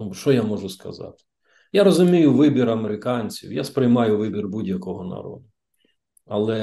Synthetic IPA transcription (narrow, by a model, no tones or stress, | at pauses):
nuʃt͡ʃɔjamɔʒʊskɐ̰zɑ̰t̪ɪ̥ | jaɾɔzʊmʲijʊʋɪbʲiɾɐmeɾɪkɑnʲt͡sʲḭwjaspɾɪjmɑjʊʋɪbʲirbudʲjɐkɔɦɔnɐ̰ɾɔ̰d̪ʊ | ɐlˠɛ